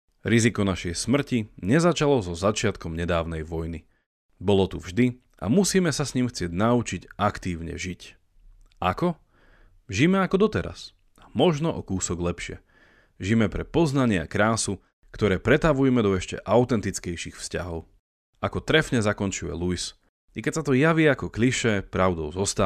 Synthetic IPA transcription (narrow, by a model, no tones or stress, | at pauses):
ɾizikɔnaʃɛjsmr̩ciɲɛzat͡ʃalɔzɔzat͡ʃɪat̪kɔmɲɛd̪aːʊnɛjʋɔjni | bɔlɔt̪uvʒd̪i | a̰musiːmɛsasɲimxt͡sɪɛɟnaut͡ʃiɟakt̪iːʊɲɛ̰ʒic | ʔakɔ | ʒimɛakɔd̪ɔt̪ɛɾa̰s | amɔʒnɔʔɔkuːsɔɡlɛpʃɪɛ̰ | ʒimɛpɾɛpɔznaɲɪakɾaːsu | kt̪ɔɾɛːpɾɛt̪aʋujɛmɛd̪ɔɛʃcɛ̰ʔaʊt̪ɛnt̪it͡skɛjʃixfscaɦɔʊ | ʔakɔt̪ɾɛfɲɛzakɔnt͡ʃujɛ̰luis | ikɛcsat̪ɔjaʋiakɔkliʃɛpɾaʊd̪ɔʊzɔst̪a